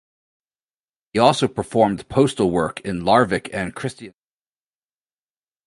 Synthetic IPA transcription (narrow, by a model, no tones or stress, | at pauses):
iɔlˠsoʊpʰə˞fɔɹmpʰoʊstl̩ˠwɜ˞kʰɪ̃nlɑɹvɨkʰɨ̃nkʰɹ̥ɪstiɨ̃